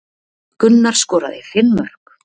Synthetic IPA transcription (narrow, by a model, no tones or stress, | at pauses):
kʏnːaɾ̥skɔːɾaðɪfɪmːœr̥k